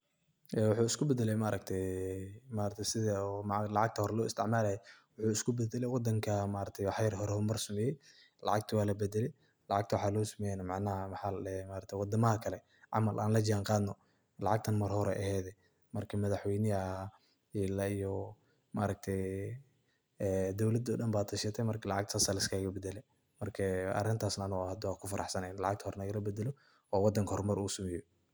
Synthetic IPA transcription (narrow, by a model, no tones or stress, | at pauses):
ʔɛwʊħuːɪskʰʊbɛd̪ɛlɛjmaɾɐɡ̚t̪ʰɛjmaːɾɐt̪ʰɛjsɪðɐɔmlɑʕɑɡ̚t̪ʰɐhɔɾɛlɔːɪst̪ʰɪʕmaːlaːjɛwʊħuːɪskʰʊbɛd̪ɛlɛjwɑd̪ɐŋkʰɐmaːɾɐt̪ʰɛjwħɛjɾɦɔɾɛhɔmɐrsɐmɛːjɛ | lɑ̰ʕɑɡ̚t̪ʰɐwaːlɐbɛd̪ɛlɛj | lɑʕɑɡ̚t̪ʰwɑħaːlɔːsɐmɛjɛnɐmɑʕnɐɐmħɑːllɛmaːɾɐk̚t̪ʰwɑd̪ɐmɐɐkʰɐlɛ | ʕɑ̰mɐlʔa̰ːnlɐd͡ʒɪaːŋqɑːd̪nɔ | lɑʕɑɡt̪ʰɐnmɐrhɔɾɛʔɐhɛːðɛ | mɐrkʰɐmɐðɐħwɛjnɪɐ | iːlɐijɔ | maɾɐɡ̚t̪ʰɛj | ɛːd̪ɔwlɐd̪ɔːɖɐmbaːt̪ʰɐʃɐt̪ʰɛmɐrkʰɐlɑʕɑ̰ɡ̚t̪ɐsalɪskʰaːɣɐbɛd̪ɛlɛ | mɐrkʰɐɐ̰rɪnt̪ʰaːsnɐnuhɐd̪waːkʰʊfɑɾʔɑ̰ħsɐnɛjnɐlɑʕɑɡt̪ʰhɔɾnɐɣɐlɐbɛd̪ɛlɔ | ɔːwɑd̪ːɐŋkʰɐhɔrmɐɾuːsɐmɛjɔ